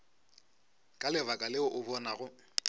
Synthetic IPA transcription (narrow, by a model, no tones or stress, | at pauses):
kʼalɪβakʼalɪʊʔʊbɔnaɣʊ